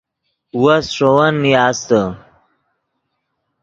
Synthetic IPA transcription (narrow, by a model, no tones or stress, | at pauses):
wɐsʂowɐnːjaːst̪ə